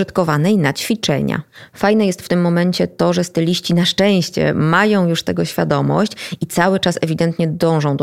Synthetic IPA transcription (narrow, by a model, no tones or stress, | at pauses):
ɨt̪kɔvanɛjnat͡ɕfʲit͡ʂɛ̰ɲa̰fajnɛjɛst̪ft̪ɘmːɔmɛnt͡ɕɛt̪ɔʐɛst̪ɘlʲiɕt͡ɕinaʂt͡ʂɛ̃w̃ɕt͡ɕɛ̰majɔ̃w̃juʂt̪ɛɡɔɕfʲjad̪ɔmɔ̰ɕt͡ɕit̪sawɘt͡ʂasɛvʲid̪ɛnt̪ɲɛd̪ɔ̃w̃ʐɔ̃w̃d̪